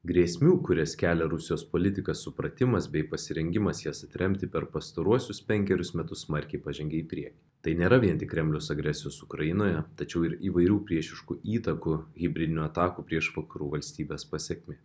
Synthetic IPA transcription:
ɡɾʲiɛsʲmʲuːkʊɾʲɛskʲæːlʲɛɾʊsʲɪjoːspoːlʲɪt̪ʲɪkɐssʊpɾɐt̪ʲɪmɐsbʲɛɪpɐsʲɪɾʲɛŋʲɡʲɪmɐsjɛsɐt̪ʲɾʲɛmʲt̪ʲɪpʲɛɾpɐst̪ɐɾuɔsʲʊspʲɛŋʲkʲɛɾʲʊsmʲɛt̪ʊssmɐɾʲkʲɛɪpɑʒʲɛ̃ŋʲɡʲɛiːpʲɾʲiɛkʲi | t̪ɐɪnʲeːɾɐʋʲiɛnt̪ʲɪkːɾʲɛmʲlʲɛʊsɐɡɾʲɛsʲɪjoːsʊkɾɐjɪnoːjɛt̪ɐt͡ʃʲɛʊɪɾiːʋɐɪɾʲuːpʲɾʲiɛʃʲɪʃkuʔiːt̪ɐkuɣʲɪbʲɾʲɪd̪ʲɪnʲuɐt̪ɑːkuːpʲɾʲiɛʃʋɐkɐɾuːʋɐlʲsʲt̪ʲiːbʲeːspɐsʲɛkʲmʲeː

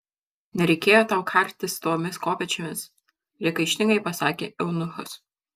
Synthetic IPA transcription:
nʲɛɾʲɛɪkʲeːjoːt̪ɑʊkʰɐˑɾʲt̪ʲɪst̪oːmʲɪskoːpʲɛt͡ʃʲɛmʲɪs | ɾʲɛkɐɪʃʲnʲɪŋɡɐɪpɐsɑːkʲḛːʔɛʊnʊxʊs

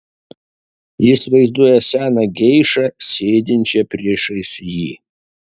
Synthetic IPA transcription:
jɪsʲɪʋɐɪzd̪uɔjɛsʲæːnɐɡʲɛɪʃɐsʲeːd̪ʲɪnʲt͡ʃʲɛpʲɾʲiɛʃɐɪsʲjiː

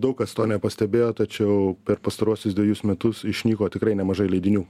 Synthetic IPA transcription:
d̪ɐʊkkɐst̪oːnʲɛpɐsʲt̪ʲɛbʲeːjoːt̪ɐt͡ʃʲɛʊpʲɛɾpɐst̪ɐɾuɔsʲʊsd̪ʲʋʲeɛjʊsmʲɛt̪ʊsɪʃʲnʲiːkoːt̪ʲɪkɾɐɪnʲɛmɐʒɐɪlʲɛɪd̪ʲɪnʲuː

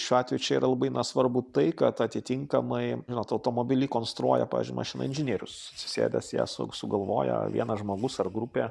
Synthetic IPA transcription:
ʃʲuɑːt̪ʲʋʲɛjuːt͡ʃʲɛiːɾʔɐlˠɐbɐɪnɐsʋɐɾbut̪ɐɪkɐt̪ɐt̪ʲɪt̪ʲɪŋkɐmɐɪʒʲɪnoːt̪ɐʊt̪oːmoːbʲɪlʲiːkoːnst̪ɾuɔjɛpɑ̰ːʋʲɪ̰zʲd͡ʒʲʊɪmʔɐʃʲɪnɐ̰ɪnʲʒʲɪnʲiɛɾʲʊssʲɪ̥sʲḛːd̪ʲɛsjæ̰ːsʊ̰sʊɡɐlˠʋo̰ːjɛ̰ʋʲḭɛnɐʒmoːɡʊsɐrɡɾupʲeː

